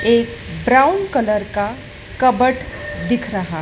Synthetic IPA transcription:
eːkbɾaʊnkələɾka | kəbəʈd̪ɪkʰɾəɦa

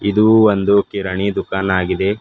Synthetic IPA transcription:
id̪uʋond̪ukiɾɐɳid̪ukaːnaːɡid̪e̞

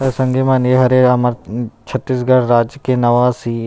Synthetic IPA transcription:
ɐsɐ̃ŋɡemaːneɦɐɾeɐməɾt͡ʃʰɐt̪ːiːs̬ɡɐɽɾaːd͡ʒjkenɐʋasi

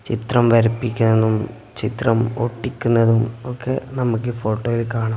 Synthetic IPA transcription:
t͡ɕit̪rɐmʋɐɾipːikʲːunːɐðum | t͡ɕit̪rɐmoʈːikʲːunːɐðumokʰːḛnɐmukːɨfo̞ːʈːoːjilkaːɳɐ

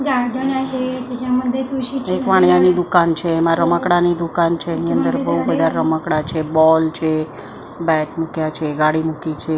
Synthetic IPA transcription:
d͡ʒad͡ʒənjat͡ʃʰeked͡ʒ̃ãməd̪ʱet̪uʃit͡ʃʰekʋaɽ̃janid̪ukant͡ʃʰeːmãɾəməkɽanid̪ukant͡ʃʰeːniənd̪əɾbəɦubəd̪ʱaɾəməkɽat͡ʃʰebɔlt͡ʃʰe | bɛʈmukjat͡ʃʰeɡaɽimukit͡ʃʰe

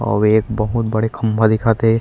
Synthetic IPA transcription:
ɔ̰ːʋeːkbɐɦʊt̪̚bɐɽekʰɐmbʱad̪ɪkʰaːt̪eɦɛ̃

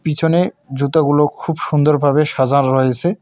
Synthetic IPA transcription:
pit͡ɕʰoned͡ʑut̪aɡulokʰubʃund̪oɾbʱabeʃad͡ʑanɾɔet͡ɕʰe

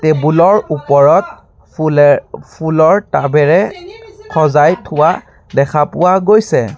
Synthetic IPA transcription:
tebulɔɹupɔɹɔt̚ | pʰulɔɹtabɛɹɛkʰɔzajtʰʊwa | dɛkʰapʊwaɡojsɛ

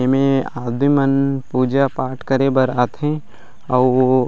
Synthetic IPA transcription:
emẽaːd̪imənpuːd͡ʒapaːʈʰkəɾebəɾaːt̪ɦẽ | ɔː

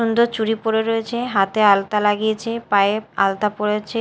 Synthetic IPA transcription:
ond̪ot͡ɕuɽipoɽeɾojet͡ɕʰeɦat̪ealt̪alaɡiet͡ɕʰepaea̰lt̪apoɽet͡ɕʰe

